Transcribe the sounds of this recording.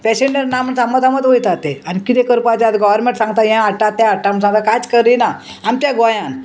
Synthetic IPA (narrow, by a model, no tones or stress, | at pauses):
pɛɕeɳɖəɾnaməɳsamət̪ʰamət̪ʋojt̪at̪eanikit̪ekəɾpat͡ɕat̪ɡɔʋəɾmẽɳʈsãŋɡt̪ajɛ̃aʈat̪ːãaʈːamsãŋɡt̪akad͡zkəɾina | amt͡ɕ̪jaɡajãn